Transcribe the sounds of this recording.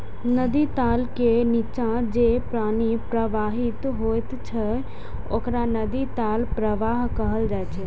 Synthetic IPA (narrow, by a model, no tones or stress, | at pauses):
nəd̪it̪aːlkenit͡ʃãd͡ʒeːpɾaːñipɾəʋaːɦɪt̪ɦoːjt̪t͡ʃʰə | okɾanɐd̪it̪aːlpɾəʋaːɦkɐɦəld͡ʒaːet͡ʃʰeː